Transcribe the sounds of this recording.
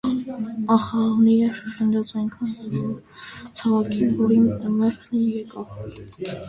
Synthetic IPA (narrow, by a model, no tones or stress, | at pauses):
ɑχɑʁniɛʃʃənd͡ʒɑt͡sɑjŋkʰɑnɛut͡sʰɑvɑkʰinvɔɾinmɛχkʰnijɛkɑv